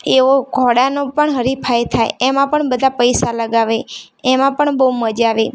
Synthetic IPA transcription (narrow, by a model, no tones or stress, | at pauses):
eʋoɡʱɔɽanopəɳɦəɾipʰajt̪ʰaeemãpəɳbəd̪ʱapəjsaləɡaʋeː | mãpəɳbəuməd͡ʒaʋe